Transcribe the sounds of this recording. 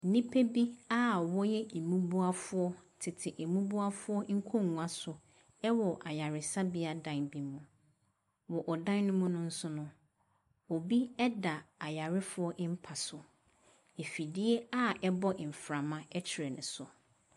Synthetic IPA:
n˨nĩ˦pʰe˦bi˦a˦wɔ˦jɛ˦e˨mũ˦bu˦a˦fʊ˦ɔ˦tʰɪ˨tʰɪ˨ʔɛ˨mũ˦bu˦a˦fʊ˦ɔ˦ŋ̩˦kʰɔ̃˦ŋu˨ã˦sʊ˨ | ɛ˦wɔ˨ʔa˨ja˨ɾɪ˨sa˦bɪ˦a˦dã˨nbi˦mũ˨ | wɔ˨ʔɔ˨dã˦nnʊ̃˦mũ˦nʊ̃˦n̩˦sʊ˦nʊ̃˦ | o˨bi˦ɛ˦da˨a˨ja˨ɾɪ˦fʊ˦ɔ˦ʔm̩˦pʰa˨sʊ˨ | e˨fi˨dɪ˦ɛ˦a˦ɛ˦bɔ˦ʔɪ˨m̩˨fɾã˨mã˦ɛ˦t͡ɕʰɪ˨ɾɛ˨nʊ̰̃˨sʊ˨

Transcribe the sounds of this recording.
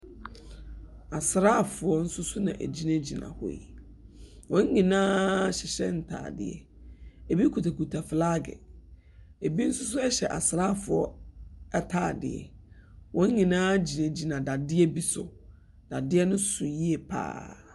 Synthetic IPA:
a˨sɾa˦˨fʊ˨ɔ˦n̩˦sʊ˦sʊ˦nã̰˨ʔæ̰˨d͡ʑi˦nã˦d͡ʑi˨nã̰˨hɔ̰˨ḭ˨ | wɔ̃˦ŋ˦ɲĩ˨nãː˦ɕɪ˨ɕɛ̰˦n̩˨tʰa̰ː˨dɪ̰˨ɛ̰˨ | e˨bi˦kʰu˨tʰa˨ku˨tʰa˨fɪ˨la˦ɡɛ̰˨ | e˨bi˦n̩˦sʊ˦s̬ʊ˦ɛ˦ɕɛ˨ʔa˨sɾa˦˨fʊ˨ɔ˦ɛ˦tʰaː˨dɪ̰˨ɛ̰˨wʔɔ̃˨˦ŋ˦ɲĩ˨nãː˦d͡ʑi˨nã˨d͡ʑi˨nã˨da˨dɪ˦ɛ˦bi˦sʊ˨ | d̥a˨dɪ˦ɛ˦nʊ̃˦sʊ˨ji˦ɛ˨pʰa̰ː˦

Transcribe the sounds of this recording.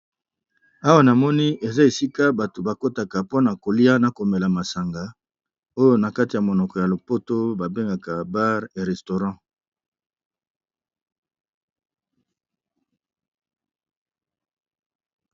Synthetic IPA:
a˦wa˦na˨mɔ˦ni˦ʔe˨za˦e˨si˦ka˦ba˨to˨ba˨ko˦ta˨ka˨po˦na˨ko˨li˦a˦na˨ko˨me˨la˨ma˨sa˨ŋɡa˨ | o˦jo˦na˨ka˦ti˨ja˨mo˨nɔ˨kɔ˨ja˨lo˨po˦to˦ba˨be˦ŋɡa˨ka˨ba˦ʁe˨ʁɛ˨sto˨ʁɑ̃˦

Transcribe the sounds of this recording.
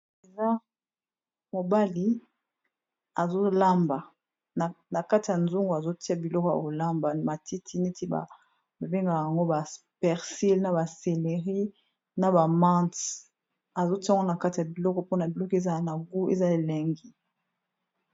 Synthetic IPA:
e˨za˦ | mo˨ba˦li˨ | a˨zo˦la˦mba˨ | n˨na˨ka˦ti˨ja˨nzu˦ŋɡo˨a˨zo˦ti˦a˨bi˨lɔ˦kɔ˨ja̰˨ko˨la˦mba˨ma˨ti˦tʰi˦ne˦ti˦ba̰˨ | ba˨be˦ŋɡa˨a˨ŋɡo˦ba˨ | pɛ˨ʁsi˦lna˨ba˨se˨le˨ʁi˦ | na˨ba˨mã˦nt | a˨zo˦ti˦˨ŋɡo˦na˨ka˦ti˨ja˨bi˨lɔ˦kɔ˨po˦na˨bi˨lɔ˦kɔ˦e˦za˨na˨ɡu˦ḛ˦za˦e˨lɛ˨ŋɡi˦

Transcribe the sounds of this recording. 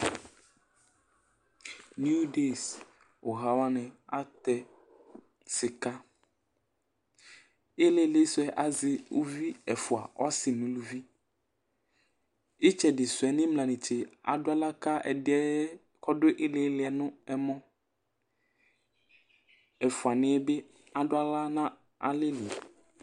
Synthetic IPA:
nju˦de˦˨s | wo˨ɦa˨wa˦nɛ̃˨a˦t̪ɛ˨ | sɪ˨ka˦ | e˦le˨˦le˦sʊ˦ɛ˦ʔa˨zɪ˨wo̰˦vi˦ɛ˨fu˨a̰˨wɔ˦sɪ˨mĩ˦lu˨vi˦ | e˦t͡ʃɛ˨ɖɪ˨sʊ˨ɛ˨nɪ̃˦mlã˨nɪ̃˨t͡ʃe˨a̰˨dʊ˦a˦la˦ka˦ɛ̰˨dɛ˦ | kɔ˦ɖo˦ʔe˦le˦lɪ˨ɛ˨nʊ̃˦ɛ˦mɔ̃˦ | ɛ˨fu˨a˨nɪ̃˦ɛ˦be˦ | a˨ɖʊ˦a˦la˦nã˦ | a̰˨le˦lu˨

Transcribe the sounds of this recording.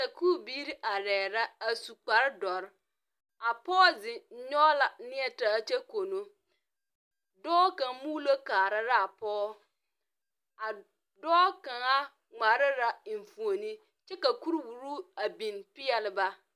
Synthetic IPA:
sa˨kʰuː˦˨biː˦ɾi˦ʔa˨ɾɛː˨ɾa˦a˨su˨k͡pa˨ɾdɔ˨ɾ | a˨pɔː˦zɪ̃˨˦ɲɔ˦la˨˦nɪ̃˦ɛ˨ta˨˦t͡ʃɛ˦ko˨nũ˦ | dɔː˦kã˨˦mu˦lo˦kaː˨ɾa˦ɾa˦a˨pɔː˦ | a˨ | dɔː˦kã˨ŋa˦ | ŋa˨ɾɪ˦ɾa˨m̩˨fũ˨o˨nĩ˦ | t͡ʃɛ˦ka˨ku˦ɾwu˨ɾu˦a˨bĩ˨npɪ˦ɛ˨lɪ˦ba˦

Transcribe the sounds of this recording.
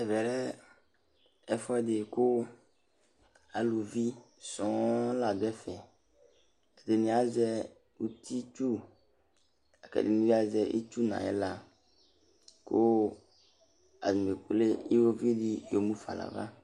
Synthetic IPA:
ɛ˨vɛ˨ɾɛ˦ | ɛ˨fɔ˦ɛ˦dɪ˨kʊ˦ | a˨lu˨vi˦ | sɔ̃˨˦la˨dɛ˦fɛ˨ | ɛ˨de˨nĩ˨a˨˦zɛ˦ | u˨t̪ʰi˦t͡ʃu˦ | a˨kɛ̰˨dḭ˨nĩ˦vi˦a˨zɛ˨ʔḭ˦t͡ʃu˦nã̰˨jɛ̰˦la˨ | kʊ˦ | a̰˨zme˨k͡pu˨le˦i˦wo˦vi˦di˦jo˨mũ˦fa̰˨la̰˨va̰˦

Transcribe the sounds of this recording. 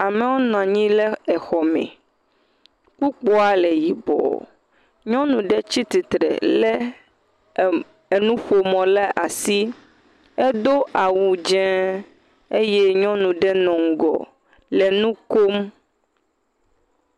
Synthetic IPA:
a˨me˨wɔ˦nã˨ɲĩ˦lɛ˦ɛ˨xɔ˨mɛ̰̃˨ | ku˦k͡pɔ˦a˨lɛ˨ji˨bɔ̰˨ | ɲɔ̃˦nũ˨ɖɛ˦t͡ɕi˦t̪i˨t̪ɾɛ̰˨lɛ˦ | e˨nũ˦ɸo˨mɔ̃˨lɛ˦ʔa˨si˦ | e˦d̪o˦ʔa˨wu˨d͡ʒɛ̃˦ | e˦je˦ɲɔ̃˦nũ˨ɖɛ˦nɔ̃˨ŋ̩˨ɡɔ̰˨ | lɛ˨nũ˦ko˦m

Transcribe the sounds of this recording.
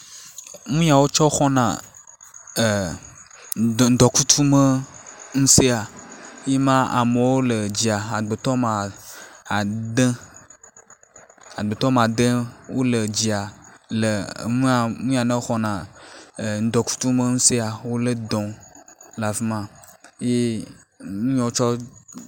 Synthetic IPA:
ŋũ˦ɲ˦ã˨wo˦t͡ʃɔ˦xɔ˦nã̰˨ | ŋ̩˨d̪ɔ˨ku˦t̪ʰu˦me˦ŋũ˦se˦a˨je˦mã˦a̰˨me˨wo˦le˨d͡ʑi˨a˨a˨ɡ͡be˨t̪ɔ˦mã˨ | a˨d̪ẽ˦ | a˨ɡ͡be˨t̪ɔ˦m˨a˨d̪ẽ˦wo˦le˨d͡ʑi˨a˨le˨ŋũ˦a˨nũ˦a˨nẽ˦xɔ˨nã˨ | n̩˨˦d̪ɔ˨ku̥˦t̪u˦mẽ˦ŋ̩̃˦se˦a˨wo˦le˦d̪ɔ̃˨la˨vi˦mã˦je˦ | nũ˦ɲɔ̃˨˦t͡ʃɔ˦

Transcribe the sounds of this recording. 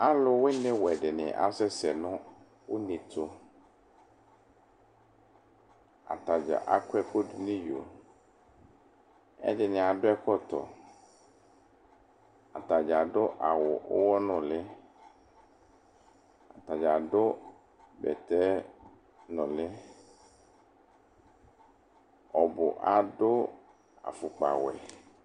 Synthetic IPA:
a˦lʊ˨wɪ˦nɪ̃˦wɛ˨dɪ˨nɪ̰̃˨ʔa̰˦sɛ˦sɛ˨nʊ̃˦ | wʊ˦nĩ˨tʰʊ˨ | a̰˨ta˨d͡ʒa̰˨ʔa˨kʰʊ˦ɛ˨ko˦dʊ˨nɪ̃˦jo̰˨ | ɛ̰˦dɪ˨nɪ̃˨a˨dʊ˦ɛ˦kɔ˦tɔ̰˨ | a̰˨t̪a˨d͡ʒa˨ɖʊ˦ʔa˨wʊ˨ʔʊ˦wɔ˦nʊ̃˨lɪ˦ | a̰˨t̪a˨d͡ʒa˨ɖʊ˦ | bɛ̰˨t̪ɛ˦ | nɔ̃˨lɪ˦ | ɔ˨bʊ̰˨ʔa˨ɖʊ˦ | a̰˨fʊ˨k͡pa̰˨wɛ̰˨

